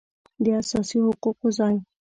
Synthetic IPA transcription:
d̪easɑsiɦʊquqozaj

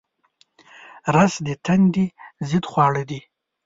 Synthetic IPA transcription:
ɾasd̪it̪ʰand̪izid̪χwɑːɽəd̪i

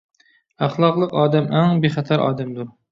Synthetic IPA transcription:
æχlˠɑqlˠəqɑːd̪æmʔæŋbeχæt̪ʰæɾʔɑ̰ːd̪æmd̪uɾ

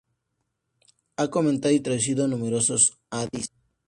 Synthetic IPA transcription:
akomẽnt̪aðit̪ɾaðus̬iðonũmeɾosos | aðis

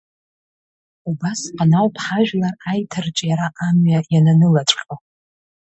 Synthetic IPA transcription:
ubasqʼanawpʰħaʒᶣlarajtʰɨrt͡ʃʼjaɾaʔamɥajananɨlaʈ͡ʂʼqʲʼo

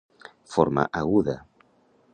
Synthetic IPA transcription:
foɾma̰ʔaɣuða

